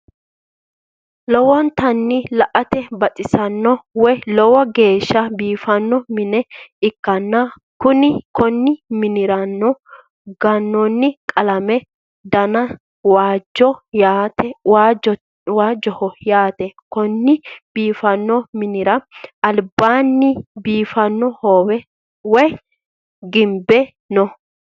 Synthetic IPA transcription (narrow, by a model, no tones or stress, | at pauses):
lɔwɔnt̪ɐnːɪlɐʔɐt̪ɛbɐtʼɪsɐnːɔwɔjlɔwɔɡe̞ːʃːɐbiːfɐnːɔmɪnɛɪkːɐnːɐ | kʊnɪkɔnːɪmɪnɪɾɐnːɔ | ɡɐnːɔnːɪkʼɐlɐmɛ | d̪ɐnɐ | waːd͡ʒɔjaːt̪ɛwaːd͡ʒ | waːd͡ʒɔhɔjaːt̪ɛkɔnːɪb̥iːfɐnːɔmɪnɪɾɐʔɐlbaːnːɪbiːfɐnːɔhoːwɛ | wɔj | ɡɪmbɛ | nɔ